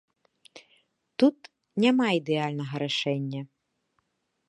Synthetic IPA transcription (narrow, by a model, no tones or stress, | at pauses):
t̪ut̪ | nʲamaid̪ɛalʲnɐɣɐɾaʂɛnʲːɐ